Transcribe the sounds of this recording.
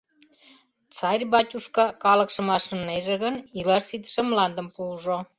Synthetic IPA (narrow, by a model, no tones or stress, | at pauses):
t͡sɑrʲbɑtʲuʃkɑkɑlɤ̆kʃə̆mɑʃə̆nːeʒĕɣənilɑʃsit̪ə̥ʃĕmlɑnd̪ə̆mpuʒo